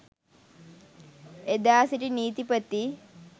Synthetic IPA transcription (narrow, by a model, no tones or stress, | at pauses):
ed̪aːsiʈiniːt̪ipət̪ːi